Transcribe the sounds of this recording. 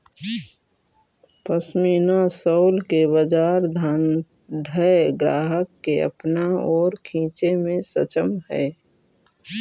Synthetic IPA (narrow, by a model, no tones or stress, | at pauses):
pəsmiːnasəʊlkeβəd͡ʒaːɾd̪ʱan | ɖʱəeɡɾa̰ːɦəkːeə̰pnaɔːɾkʰĩːt͡ʃemẽsət͡ʃəmɦɛ̰